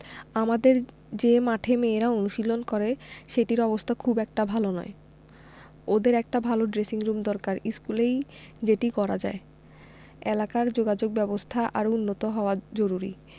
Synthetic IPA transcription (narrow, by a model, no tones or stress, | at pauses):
amad̪eɾ | d͡ʑemaʈʰemeeɾaonuʃilonkɔɾeʃeʈiɾɔbost̪ʰakʰubɛk̚ʈabʱalonɔ̰e | od̪eɾɛk̚ʈabʱaloɖɾesiŋɾumd̪ɔɾkaɾiskulejd͡ʑeʈikɔɾad͡ʑa̰e | elakaɾd͡ʑoɡad͡ʑoɡ̚bɛbost̪ʰaʔaɾunːot̪oɦɔoad͡ʑoɾuɾḭ